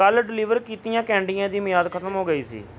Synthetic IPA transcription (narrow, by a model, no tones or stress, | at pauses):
əlɖɪliːʋəɾkiːt̪ijãːkɛ̃ːɳɖijãːd̪iːmɪjaːd̪kʰət̪əmɦoːɡəiːsḭː